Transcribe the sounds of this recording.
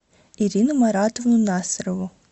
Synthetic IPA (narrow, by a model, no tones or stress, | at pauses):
iɾʲinʊmɐɾɑt̪ovnʊnɑsɾɔʋʊ